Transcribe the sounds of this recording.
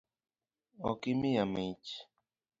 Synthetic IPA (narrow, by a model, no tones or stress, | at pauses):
okimiamĩt͡ʃ